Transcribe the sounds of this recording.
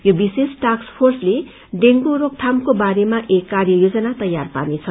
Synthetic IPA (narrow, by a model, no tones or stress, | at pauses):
jobisesʈakspʰorsle | ɖeŋɡoɾok̚t̪ʰamkobaɾemaʔekːarjʌjod͡zʌnat̪ʌjːarpa̰nit͡sʰʌ